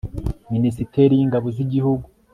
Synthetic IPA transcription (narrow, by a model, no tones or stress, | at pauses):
minisiteɾijiŋɡaβoziɟihuɡu